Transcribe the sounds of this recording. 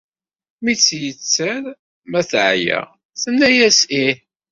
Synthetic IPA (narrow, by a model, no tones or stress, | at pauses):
mit͡sːjət͡sːæɾ | mæθʕjæ̰ | θənːæjæsi